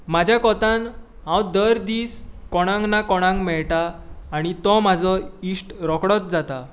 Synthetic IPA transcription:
mad͡ʑʱjakɔt̪ãn | ɦãwd̪əɾd̪iːskɔɽ̃ãŋɡnakɔɽ̃ãŋɡmɛɭʈaːɽ̃it̪ɔmad͡zɔisʈɾɔkɽɔt̪̚d͡zat̪a

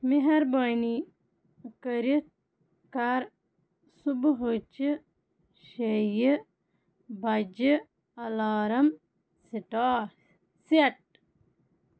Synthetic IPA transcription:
miɦɐɾbɐːni | kəɾi | kaɾ | subɦot͡ʃi | ʃejə | bɐd͡ʒi | ɐlaːɾɐm | siʈaː | sɐʈ̚

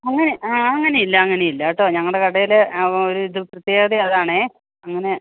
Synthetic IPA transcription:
ɐŋːɐne̞ʔaːɐŋːɐneilːɐːŋːɐne̞jilːaːʈːo̞ːɲɐŋːɐɭɖekɐɽɐjileoɾuiðɨprɐt̪jeːðiɐðaːɳe | ɐŋːɐne̞

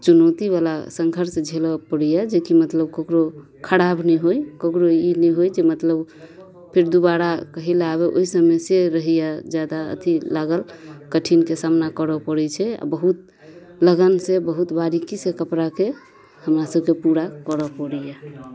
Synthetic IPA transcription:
t͡ʃunəʊt̪iβala̰səŋɡʱəɾsd͡ʒʱelɔpəɽijad͡ʒekimət̪ləb̚kəkɾo | kʰəɽabnɛɦojkəkɾoinɛɦojd͡ʒemət̪ləb | pʰiɾd̪ubaɾakəɦilaβeʔo̰isəmeseɾəɦijad͡ʒad̪aə̰t̪ʰilaɡəlkəʈʰinkesamnakəɾɔpəɽɛt͡ʃʰɛa̰bəɦut̪ | ləɡənsebəɦut̪baɾikisekəpɾake | həmɾasəbkepuɾakəɾəpəɽija

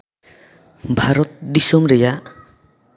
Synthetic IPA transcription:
bʱaɾɔt̪̚d̪isɔmɾɛja

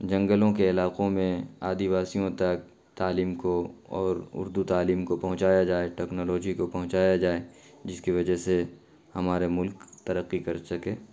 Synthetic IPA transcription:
d͡ʒɐ̃ŋɡəlõkeɪlaːqõmẽaːd̪iʋaːsijõt̪ɐk̚ | t̪aːliːmkoɔːɾʊ̰ɾd̪ut̪aːliːmkopɐɦʊ̃t͡ʃaːjad͡ʒaːeʈɛːknɔːlɔːd͡ʒikopɐɦʊ̃t͡ʃaːjad͡ʒaːe | d͡ʒɪskiʋɐd͡ʒəɦse | hɐmaːɾemʊlkt̪ɐɾəqːikɐɾsɐkeː

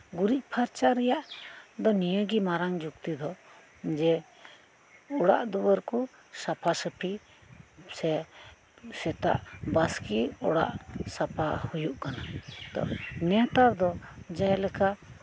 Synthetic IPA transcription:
ɡuɾic̚ˀpʰaɾt͡ʃaɾɛjaʔd̪ɔnijəɡimaɾaŋd͡ʒukt̪id̪ɔ | d͡ʒɛ | ɔɽa̰ʔd̪ɔwəɾku | sapʰasəpʰi | sɛ | sɛt̪a̰ʔbəskiɔɽa̰ʔsapʰahujuʔkanat̪ɔ̰ʔnɛt̪aɾd̪ɔd͡ʒajlɛka

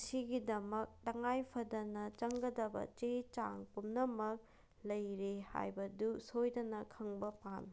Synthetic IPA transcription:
siɡidɐmɐk̚tɐŋajpʰɐdɐnɐt͡ʃɐŋɡɐdɐbɐ̰t͡ʃet͡ʃa̰ŋpumnɐmɐk̚ | lɐjɾeha̰jbɐdusojdɐnɐkʰɐŋbɐpan

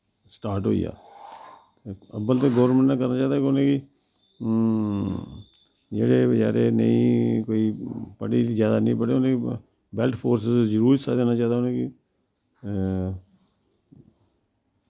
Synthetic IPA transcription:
sʈaːɾʈɦo̰ːḭːja̰ː | eəbəlt̪eɡəːəɾmə̃ɳʈãːkəɾnaːt͡ʃaːd̪aːkɪʊnẽːki | d͡ʒeːɽeːd͡ʒa̰ːɾeːnə̰ĩːkoːiːpəɽiːzjaːd̪aːnĩːpəɽeːʊnẽki | bɛlʈpʰoːɾsəsd͡ʒəɾuːɾisaːd̪eːnaːt͡ʃaːd̪aːnẽːki

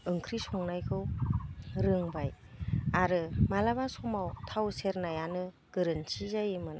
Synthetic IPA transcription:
ɯŋkʰɾisɔŋnajkʰɯw | ɾɯŋbaj | aɾɯmalabasɔmawtʰawseɾnajanɯ | ɡ̥ɯɾɯnsizajɯmɯn

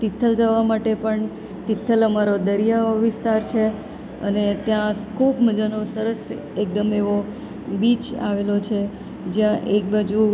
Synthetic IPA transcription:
t̪it̪ʰːəld͡ʒəʋamaʈepəɳ | t̪it̪ʰːələmaɾod̪əɾijaʋɪst̪aɾt͡ʃʰe | ə̰net̪jãskʰupməd͡ʒanosəɾəs | ek̚d̪əmeʋo | bit͡ʃa̰ʋelot͡ʃʰe | d͡ʒjãʔek̚bad͡ʒu

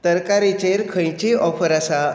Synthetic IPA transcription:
t̪əɾkaɾit͡ɕeɾkʰə̃jt͡ɕiɔfəɾasa

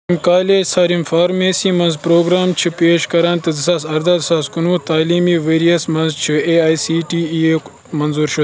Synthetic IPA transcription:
mkaːled͡ʒsaːɾinfaːɾmeːsimɐnzpɾoːɡɾaːmt͡ʃʰipeːʃkɐɾɐnt̪ɨd̪ɨsaːsɐɾd̪aːd̪ɨsaːskunuːt̪aːliːmiːʋeːɾijɐsmɐnzt͡ʃʰieːaːjsiːʈiːeː | mɐnzuːɾʃu

